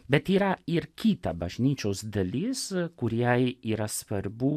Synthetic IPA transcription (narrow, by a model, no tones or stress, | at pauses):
bʲɛt̪iːɾɐɪɾkʲiːt̪ɐbɐʒʲnʲiːt͡ʃʲoːsd̪ɐlʲiskʊɾʲijɛɪiːɾɐsʋɐɾbu